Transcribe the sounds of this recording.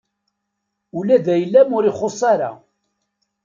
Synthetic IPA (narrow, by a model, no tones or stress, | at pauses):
ulæðæjəlːæmʊɾɪχosˤaɾa̰